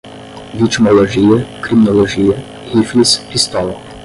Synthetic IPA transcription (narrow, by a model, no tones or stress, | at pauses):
vit͡ʃmɔlɔʒijəkɾiminɔlɔʒijə | hiflispist̪ɔlˠɔ